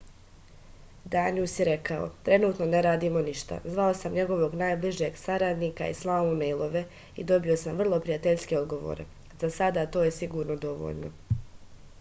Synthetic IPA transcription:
d̪aːniusjeɾe̞kao̞̰t̪ɾe̞nuːt̪no̞neɾaːd̪iːmo̞niʃt̪a̰zʋao̞samɲe̞ɡo̞ʋo̞ɡnaːjbliʒeɡsaɾad̪niːka̰ḭslˠaːmumejlˠo̞ʋe̞ | ḭd̪o̞bio̞samvr̩lˠo̞pɾijat̪eʎske̞od̪ɡo̞ʋo̰ːɾe̞̰ | zasad̪aːt̪o̞ːje̞siɡuːɾno̞d̪o̞ʋo̰ʎno̞̰

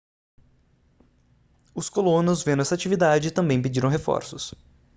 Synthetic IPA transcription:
ʊskolõnʊzvẽd̪ʊɛsat͡ʃivid̪ad͡ʒɪːt̪ɐ̃mbẽj̃ped͡ʒiɾɐ̃w̃ɦefɔ̰ɾsʊs

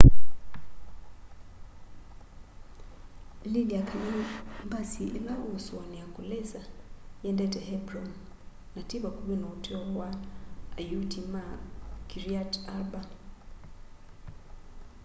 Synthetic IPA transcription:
liliakʰamɛmbasiʔilaʔusɔniakʼulɛsajɛndɛtʼɛhɛbrɔn | natʼiβakʼuβɛnautʼɛɔwaː | jutimakʼiɾiataba

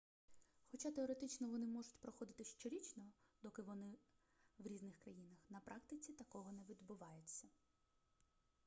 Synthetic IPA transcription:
xɔt͡ʃɑt̪eɔɾet̪ɪt͡ʃnɔʋɔnɪmɔʐʊtʲpɾɔxɔd̪ɪt̪ɪʃt͡ʃɔɾʲit͡ʃnɔd̪̥ɔkɪʋɔnɪ | ʋɾʲiznɪxkɾɐjinɐxnɐpɾʔɑk̚t̪ɪt͡sʲit̪ɐkɔɦɔnɛʋʲid̪bʊʋɑjʊt͡st͡sʲːɐ

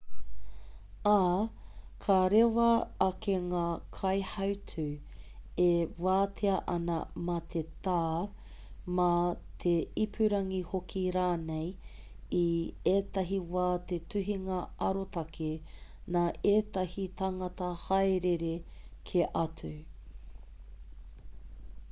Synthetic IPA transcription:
aːkʰaɾewɐːkeŋaːkʰɐjhɐwtʰʉ | ewaːtʰeɐʔɐnɐ̰mat̪ʰetaː | mat̪ʰeipʰʉɾɐŋihokʰiɾaːnej | ieːtɐɦiwaːt̪etʉɦiŋɐɐɾotɐkʰenaːʔeːtɐhitɐŋɐtɐhɐjɾeɾekʰeʔɐtʰu

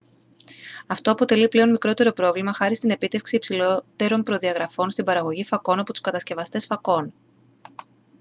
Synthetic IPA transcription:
ɐft̪o̞ɐpo̞t̪e̞liple̞o̞nmikɾo̞t̪e̞ɾo̞pɾo̞vlimɐxɐɾist̪ine̞pit̪e̞fksiːpsilot̪e̞ɾo̞mpɾo̞ðiɐɣɾɐfo̞nst̪ibɐɾɐɣo̞ʝifɐko̞nɐpo̞t̪u̥skɐt̪ɐsce̞vɐst̪e̞sfɐko̞n

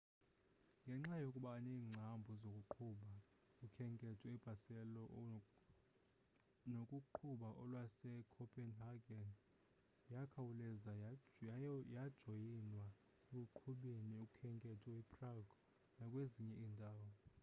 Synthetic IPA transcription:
ŋɡʱɛŋ͡ǁajokʼuɓaniːŋ͡ǀʱambʱɔzokʼuǃʰuɓa | kukʰɛŋkʼɛtʰʼɔib̥ʱasɛlɔ | nokʼuǃʰuɓaʔɔlwasɛkʰɔpʰʼɛnhaɡɛn | jakʰawulɛza | jad̥ʒ̥ʱojinwa | ek̬ʼuǃʰuɓeniukʼukʰɛŋkʼɛtʰɔipʰʼraɡɔ | nakʼweziɲɛʔiːntʼaːwɔ

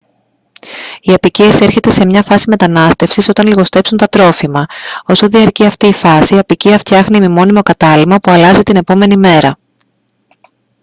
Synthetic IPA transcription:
iɐpicie̞se̞ɾçe̞t̪e̞se̞mɲɐfɐsime̞t̪ɐnɐst̪e̞fsiso̞t̪ɐnliɣo̞st̪e̞psunt̪ɐt̪ɾo̞fimɐo̞so̞ðiɐɾciɐft̪iːfɐsiɐpiciɐft̪çɐxnimimo̞nimo̞kɐt̪ɐlimɐpuɐlɐzit̪ine̞po̞me̞nime̞ɾɐ

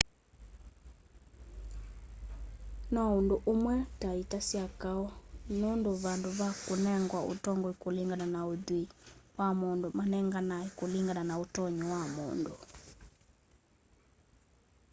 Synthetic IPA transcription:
nɔondoʔomwɛtaitasiakaɔnondoβandoβakonɛŋɡwaʔo̰tɔŋɡɔikoliŋɡananaoðwiwamondomanɛŋɡanaekoliŋɡananaotɔɲɔwamo̰ndo

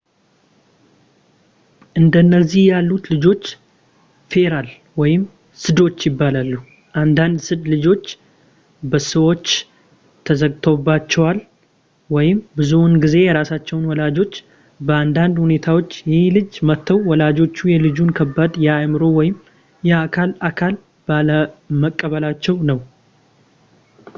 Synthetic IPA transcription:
ʔɨnd̪ənːəzːihjalːut̪lɨd͡ʒo̞t͡ʃː | fe̞ɾal | wɔjɪm | sɨd̪o̞t͡ʃːjɪbːalalːu | ʔand̪and̪sɨd̪lɨd͡ʒo̞t͡ʃː | bəsəwo̞t͡ʃː | t̪ʰəzəɡt̪ʰo̞bat͡ʃːɛwal | wɔjɪmbɨzunɡize̞jɛɾasat͡ʃːɛwʊnwɔlad͡ʒo̞t͡ʃː | bəand̪and̪hune̞t̪ʰawo̞t͡ʃːjɛhlɨd͡ʒmət̪ːəwwɔlad͡ʒo̞t͡ʃːujɛlɨd͡ʒunkʰəbːad̪jɛajmɨɾo̞wɔjɪm | jɛakʰalakʰal | baləməkʼːəβəlat͡ʃːɛwnəw

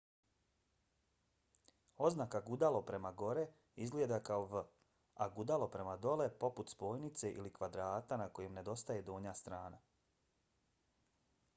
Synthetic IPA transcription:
o̞znakaɡud̪alˠo̞pɾe̞maɡo̞ɾe | izɡljed̪akaoʋə | aɡud̪alo̞pɾe̞mad̪o̞le̞po̞put̪spo̞ːjnit̪se̞ʔilikʋad̪ɾaːt̪anako̞jemne̞d̪o̞st̪ajed̪oːɲast̪ɾaːna

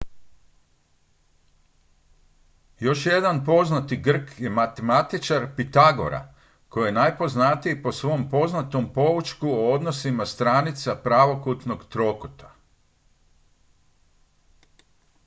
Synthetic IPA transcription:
jo̞ʃje̞d̪anpo̞znat̪iɡr̩kje̞mat̪emat̪it͡ʃaɾpit̪aɡo̞̰ɾa̰ | ko̞jjenaːjpo̞znat̪ijipo̞sʋo̞mpo̞znat̪ompo̞ʋut͡ʃkuood̪nosimast̪ɾaːnit̪sapɾaʋo̞kut̪no̞ɡt̪ɾo̞kot̪ḁ

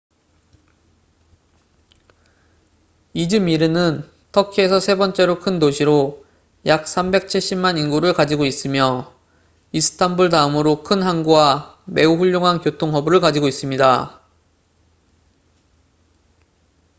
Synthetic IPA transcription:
id͡ʑɯmiɾɯnɯn | tʰʌkʰie̞sʰʌsʰe̞bʌnt͡ɕ͈e̞ɾokʰɯndoɕʰiɾo | jak̚s͈ʰambe̞k̚t͡ɕʰiɭɕ͈immaninɡuɾɯɭkad͡ʑiɡois͈ɯmjʌ | isʰɯ̥tʰambuɭtaɯmɯɾokʰɯnɦanɡuwa | me̞uɸuʎːoŋɦankjotʰoŋɦʌbuɾɯɭkad͡ʑiɡois͈ɯmɲida

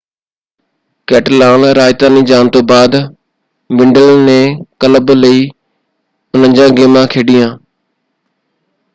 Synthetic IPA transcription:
kɛːʈlaːnɾaːɪt̪ãːnĩːd͡ʒaːnt̪oːbaːd̪ | ʋɪ̃ɳɖəlnẽːkələbləiː | ʊn̤ən̆d͡ʑãːɡeːmãːkʰeːɖijãː

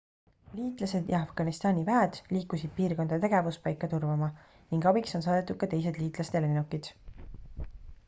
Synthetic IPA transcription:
liːt̪lɑse̞d̪jɑɑfɡ̥ɑnist̪ɑːnʲivæed̪̥liːkːˑusid̪̥̚piːrko̞nd̪̥ɑt̪e̞ɡ̥e̞vuspɑjkːˑɑt̪urvɑmɑ | niŋɡɑbikso̞ns̬ɑːd̪et̪ːˑud̪̥̚kɑt̪e̞js̬e̞d̪liːt̪ˑlɑst̪e̞lenukːˑid̪̥

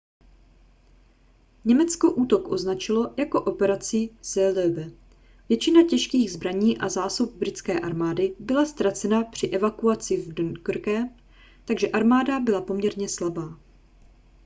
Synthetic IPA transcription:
ɲɛmɛt͡skoʔuːt̪o̞kʔo̞znat͡ʃɪlo̞jako̞ʔo̞pɛɾat͡sɪsɛlɛbɛ | vjɛt͡ʃɪnacɛʃkiːɣzbɾaɲiːʔazaːsup̚bɾɪt͡skɛːʔaɾmaːdɪbɪlast̪ɾat͡sɛnapr̝̥ɪʔɛvakuat͡sɪvdnkrkɛ | t̪aɡʒɛʔaɾmaːdabɪlapo̞mɲɛɾɲɛslabaː

